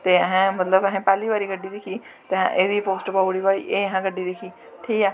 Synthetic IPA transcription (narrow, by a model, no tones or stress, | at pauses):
t̪eːəɦãːmət̪ləbəɦɛ̃ːpɛːliːbaːɾiːɡəɖːiːd̪ɪkʰiː | t̪eã̰ːʔeːd̪iːpoːsʈpaːɽiːbaːɾḭːʔeːɦãːɡəɖːiːd̪ɪkʰiː | ʈʰiːkɛː